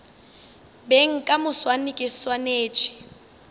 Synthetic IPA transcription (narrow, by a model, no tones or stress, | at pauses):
beŋ̩kʼamʊswanɪkʼɪswaneːt͡ʃʰʼɪ̥